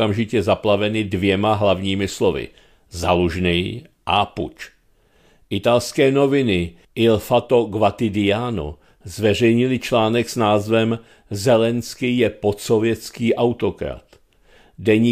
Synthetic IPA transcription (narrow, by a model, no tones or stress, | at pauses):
amʒɪcɛzaplavɛnɪdvjɛmaɦlavɲiːmɪslovɪ̰ | zaluʒnɛj | ʔapṵt͡ʃ | ʔɪt̪alskɛːno̞vɪnɪ | ɪlfat̪o̞ɡvat̪ɪdɪjaːno̰ | zvɛr̝ɛjɲɪlɪt͡ʃlaːnɛksnaːzvɛm | zɛlɛnskɪjɛpo̞t̪sovjɛt͡skiːʔawt̪o̞kɾa̰t̪ | dɛɲiː